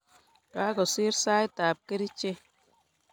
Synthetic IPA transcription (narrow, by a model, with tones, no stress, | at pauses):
ta˦kɔ˨si˦ɾsaː˦jtaː˨p̚ke˦ɾi˦t͡ʃe˦